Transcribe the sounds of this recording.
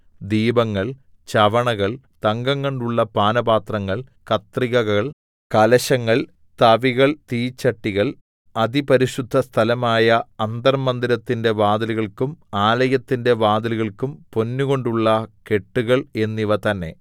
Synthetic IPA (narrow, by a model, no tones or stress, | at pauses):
d̪iːbɐŋːɐɭ | t͡ɕɐʋɐɳɐɣɐɭ | t̪ɐŋɡɐŋːoɳɖuɭːɐpaːnɐbaːt̪rɐŋːɐɭkɐt̪riɣɐɣɐɭ | kɐlɐɕɐŋːɐɭ | t̪ɐʋiɣɐɭt̪iːt͡ɕːɐʈːiɣɐɭ | ɐd̪ipɐɾiʂud̪ʱːɐst̪ʰɐlɐmaːjɐɐnd̪ɐrmɐnd̪iɾɐt̪ːinde̞ʋaːd̪ɐluɣɐɭkumaːlɐjɐt̪ːinde̞ʋaːd̪ɐluɣɐɭkumpo̞nːuɣo̞ɳɖuɭːɐke̞ʈːuɣɐɭe̞nːiʋɐt̪ɐnːe̞̰